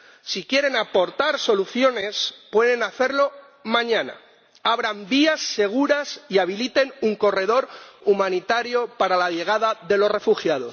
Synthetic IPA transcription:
sikje̞ɾe̞napo̞ɾt̪aɾso̞luθjo̞ne̞spwe̞ðe̞naθe̞ɾlo̞ | mãɲãna̰ | aβ̞ɾambiasːe̞ɣ̞uɾasiaβ̞ilit̪e̞nuŋko̞re̞ð̞o̞ɾumãnit̪aɾjo̞paɾalaʎe̞ɣ̞aðaðe̞lo̞sre̞fuxjað̞o̞s

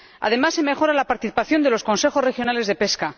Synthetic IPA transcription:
a̰ð̞e̞masːe̞me̞xo̞ɾalapaɾt̪iθi̥paθjo̞nd̪elo̞sko̞nse̞xo̞srexjo̞nale̞zðe̞pe̞ska

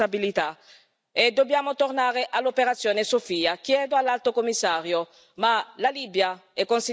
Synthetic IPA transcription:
abilit̪a | ed̪objamot̪oɾnaɾeʔalopeɾat̪sjonesofiːakjɛd̪oalalt̪okomisːaɾjo | malalibjaɛkːonsi

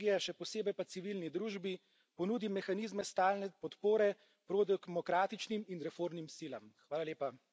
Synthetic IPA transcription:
ijɛʃɛpɔseːbɛjpat̪siʋilnid̪ɾuːʒbi | pɔnuːd̪imɛxaniːzmɛst̪aːlnɛpɔt̪poːɾɛ | pɾod̪ɛɡmɔkɾaːt̪it͡ʃniminɾɛfoːɾmnimsiːlamxʋaːlaleːpa

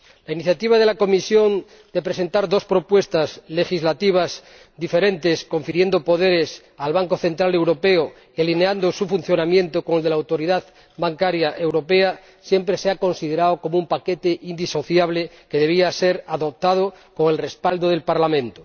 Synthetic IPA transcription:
lainiθjat̪iβ̞að̞e̞lako̞misjo̞n | d̪epɾe̞se̞nt̪aɾðo̞spɾo̞pwe̞st̪azle̞xizlat̪iβ̞az | d̪ife̞ɾẽ̞nt̪e̞sko̞ɱfiɾje̞nd̪o̞po̞ðe̞ɾe̞s | alβaŋko̞θe̞nt̪ɾale̞wɾo̞pe̞o | ialineand̪osufun̟θjo̞namjẽ̞nt̪oko̞ŋelðelawt̪o̞ɾiðað | baŋkaɾjaʔe̞wɾo̞pe̞a | sje̞mpɾeseako̞nsið̞e̞ɾaoko̞moumpake̞t̪e̞ʔind̪iso̞θjaβle̞ | ke̞ðe̞β̞iase̞ɾaðo̞p̚t̪að̞o | ko̞ŋe̞lre̞spald̪oðe̞lpaɾlamẽ̞nt̪o

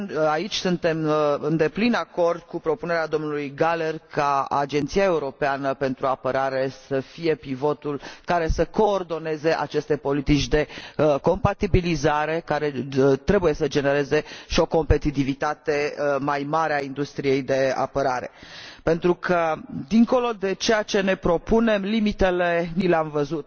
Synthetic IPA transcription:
ait͡ʃʲsunt̪e̞mɨnd̪e̞plinako̞rd̪̥̚kupɾo̞pune̞ɾead̪o̞mnulujɡale̞rkaa̰d͡ʒent̪siae̞uɾo̞peanəpe̞nt̪ɾuapəɾaɾe̞səfije̞pivo̞t̪ulkaɾe̞səko̞ːrd̪o̞ne̞ze̞ʔa̰t͡ʃe̞st̪e̞po̞lit̪it͡ʃʲd̪e̞ko̞mpat̪ibilizaɾe̞kaɾe̞t̪ɾe̞buje̞səd͡ʒe̞ne̞ɾe̞ze̞ʃio̞ko̞mpe̞t̪it̪ivit̪at̪e̞majmaɾeaind̪ust̪ɾije̞jd̪e̞a̰pəɾaɾe̞̰pe̞nt̪ɾukʰəd̪iŋko̞lo̞d̪e̞t͡ʃe̞jat͡ʃe̞ne̞pɾo̞pune̞mlimit̪e̞le̞nileamvəzut̪̚

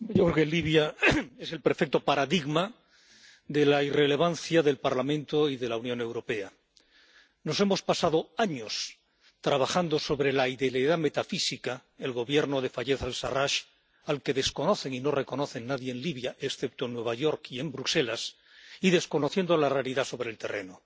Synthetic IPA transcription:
ʝokɾekenliβ̞jaese̞lpeɾfek̚t̪o̞paɾaðiɣma | d̪e̞laire̞le̞β̞anθjaðe̞lpaɾlamẽnt̪oiðe̞launjo̞ne̞wɾo̞pe̞a | no̞se̞mo̞spasað̞o̞aɲo̞s | t̪ɾaβ̞axand̪o̞so̞βɾe̞laiðeleðame̞t̪afisikaelɣo̞βje̞ɾno̞ð̞e̞faʎe̞θalsaraʃ | alke̞ðe̞sko̞no̞θe̞ŋino̞re̞ko̞no̞θe̞nːaðje̞ːnliβ̞jaʔesθe̞p̚t̪oenːwe̞β̞aʝo̞ɾkie̞mbɾuse̞las | iðe̞sko̞no̞θje̞nd̪olarealiðaso̞βɾe̞lt̪e̞̰rʔe̞̰no̞

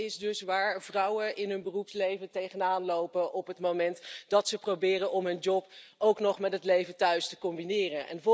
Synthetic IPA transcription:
ɪzdɵsʋaːɹvrʌwənʔɪnɦɵnbərupslejvəntejχənaːnlowpəʔɔpɦətmomɛntdɑtsəprowbɪːrənɔmɦɵnd͡ʒɔpowknɔχmɛtɦətlejvəntœɥstəkɔmbinɪːrənʔɛ̰nvɔ

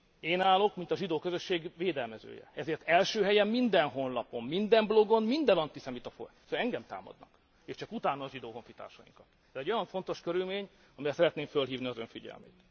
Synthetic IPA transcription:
eːnaːlo̞kmint̪ɒʒid̪oːkøzøʃːeːɡveːd̪ɛlmɛzø̰ːjɛ̰ɛzeːrt̪ɛlʃøːɦɛjɛmːind̪ɛnɦo̞nlɒpo̞mmind̪ɛmblo̞ɡo̞nmind̪ɛnɒnt̪isɛmit̪ɒfo̰søɛŋɡɛmt̪a̰ːmɒ̰d̪nɒ̰k | eːʃt͡ʃɒkut̪aːnɒːʒid̪oːɦo̞ɱfit̪a̰ːrʃɒjḭŋkɒt̪ | ɛzɛɟːo̞jɒɱfo̞nt̪o̞ʃkøɾylmeːɲ | ɒmijɛsɛɾɛt̪neːmfølɦiːvniɒzø̞ɱfiɟɛ̰lmḛːt̪

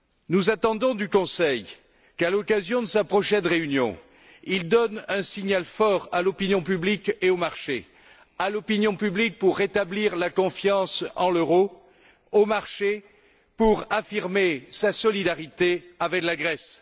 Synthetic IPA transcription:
nuzat̪ɑ̃d̪ɔ̃d̪ykɔ̃sɛj | kalɔkazjɔ̃d̪əsapχɔʃɛnʁeynjɔ̰̃ | ild̪ɔnɛ̃siɲalfɔʁalɔpinjɔ̃pyblikeomaʁʃḛ | alɔpinjɔ̃pyblik̚puʁːet̪abliʁlakɔ̃fjɑ̃sɑ̃løʁo | omaʁʃe | puʁafiʁmesasɔlid̪aʁit̪eavɛklaɡʁɛs

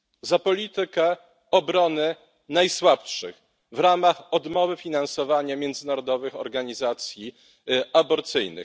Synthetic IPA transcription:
zapɔlʲit̪ɘkɛ | ɔbɾɔnɘ | najswapʂɘ̰x | vɾamaxɔd̪mɔvɘfʲinansɔvaɲamʲjɛnd̪zɘnaɾɔd̪ɔvɘxɔ̰ɾɡaɲizat̪sʲji | abɔɾt̪sɘjnɘ̰x

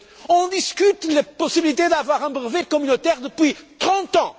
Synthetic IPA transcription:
õd̪iʃkyt̪lɐposibilˠit̪ed̪avwaʁɐ̃bʁvekomynot̪ɛʁd̪ɨpwit̪ʁɐ̃nt̪ã

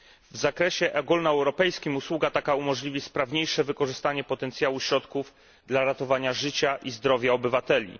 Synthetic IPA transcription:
vzakɾɛɕɛʔɛɡulnaɛwɾɔpɛjskʲimuswuɡat̪akaumɔʐlʲivʲispɾavɲejʂɛvɘkɔʐɘst̪aɲɛpɔt̪ɛnt̪sʲjawuɕɾɔt̪kuv | d̪laɾat̪ɔvaɲaʐɘt͡ɕaʔizd̪ɾɔvʲjaɔbɘvat̪ɛlʲḭ

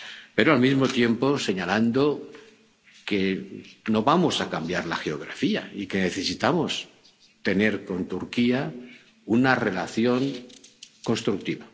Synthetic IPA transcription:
peɾoalmizmot̪je̞mpo̞se̞ɲaland̪o̞ | ke̞no̞βamo̞sakambjaɾlaxe̞o̞ɣ̞ɾa̰fia̰ike̞ne̞θe̞sit̪amo̞s | t̪e̞ne̞ɾko̞nt̪uɾkia | unare̞laθjo̞ŋ | ko̞nst̪ɾuk̚t̪iβa

